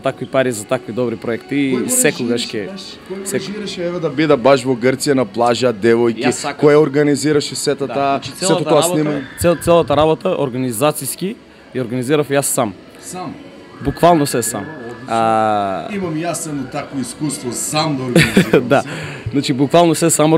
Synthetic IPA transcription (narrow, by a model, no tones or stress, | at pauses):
t̪akvipaɾizat̪akvid̪ɔbɾipɾoɛkt̪iːsɛkoɡaʃkɛ | sɛiɾʃɛvɛd̪ɐbid̪abaʃvoɡəɾt̪sijanaplˠaʒad̪ɛvɔjkikojɛoɾɡaniziɾaʃɛsɛt̪oaːssɛt̪ot̪ɔanimt̪sɛt̪ɛlˠat̪aɾabot̪aoɾɡanizat̪siski | jɛoɾɡaniziɾafjasːam | sam | bukvalˠnosɛsa̰maimamjasɛd̪ɔt̪akvoiskust̪vɔsamd̪ɡd̪a | znat͡ʃibukvalˠnosɛsamo